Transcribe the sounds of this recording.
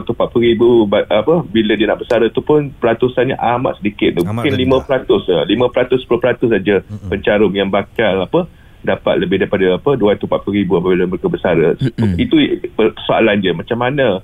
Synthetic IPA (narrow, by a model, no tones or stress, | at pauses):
t̪umpat̪̚pəɾibubaapəbilədiəna̰ʔbəsaɾət̪upʊnpəɾat̪usanɲəʔama̰ʔ̪̚sədikɪt̪̚mũkɪnlimə̃pəɾat̪ʊsəlimə̃pəɾat̪ʊspulopəɾat̪ʊs̬ad͡ʒəpəɲt͡ʃaɾʊmjaŋbakalapə | dapa̰t̪̚ləbɪhdaɾipadaapəduant̪umpat̪̚pəɾibuapabilaməɾekabəsaɾəsit̪uəkəsoa̰land͡ʒəmãt͡ʃamːanã